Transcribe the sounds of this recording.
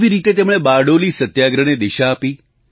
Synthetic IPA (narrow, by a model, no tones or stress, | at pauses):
ʋiɾit̪et̪emɽ̃ebaɽolisət̪jaɡɾəɽ̃ed̪iʃaːpi